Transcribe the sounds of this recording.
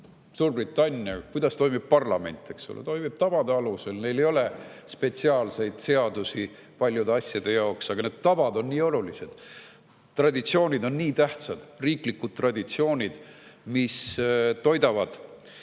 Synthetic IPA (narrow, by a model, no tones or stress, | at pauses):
suːrbrit̪ːˑɑnʲːjɑkujd̪̥ɑst̪o̞jmib̥̚pɑrlɑme̞̰nʲt̪ːˑe̞kso̰lḛt̪o̞jmib̥t̪ɑvɑd̪e̞ɑluse̞lne̞jle̞jo̞le̞spe̞t̪siɑːlse̞jd̪̥se̞ɑd̪usi | pɑlʲjud̪eɑsʲjɑd̪̥e̞jɑoksɑɡ̥ɑne̞ːd̪̚t̪ːɑvɑd̪o̞nːiːo̞lulise̞d̪̥ | t̪ːrɑd̪ʲit̪sio̞ːnʲid̪o̞nːiːt̪æht̪sɑd̪̥riːklikːud̪̥̚t̪ːrɑd̪ʲit̪sio̞ːnʲid̪̥mist̪o̞jd̪ɑvɑd̪̥